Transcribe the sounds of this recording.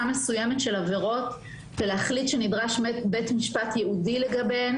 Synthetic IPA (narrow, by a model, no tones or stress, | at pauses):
ame̞sujemetʃelave̞ʁo̞t | veleaχlitʃenidʁaʃmebetmiʃpatjeʔudileɡabe